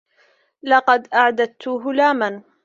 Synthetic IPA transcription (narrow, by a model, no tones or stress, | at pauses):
lɑqɑd̪ʔaʕd̪at̪ʊɦʊlaːman